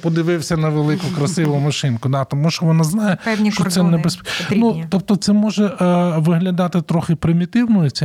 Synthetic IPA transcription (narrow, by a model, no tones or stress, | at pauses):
pɔd̪ɪʋɪwsʲɐnɐʋelˠɪkʊkɾɐsɪʋʊmɐʃɪnkʊd̪ɑt̪ɔmuʃt͡ʃɔʋɔnaznɑjɛpɛnʲʃɔsɛnɛbespnut̪ɔp̚t̪ɔt̪sɛmɔʒɛʋɪɦlʲɐd̪ɑt̪ɪt̪ɾɔxɪpɾɪmʲit̪ɪwnɔjʊt͡sʲɛ